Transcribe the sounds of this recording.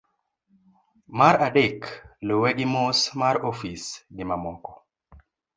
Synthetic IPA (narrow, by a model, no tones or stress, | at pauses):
maɾaɗekloweɗimosmaɾofisɡimamɔkɔ̥